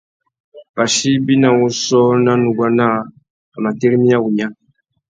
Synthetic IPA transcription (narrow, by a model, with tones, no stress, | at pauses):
ba˨ʃi˦bi˦na˨wu˦sɔ˦na˦nu˨ɡwa˦na˦ | a˨ma˨te˦ɾi˦mi˦a˦wu˨ɲa˦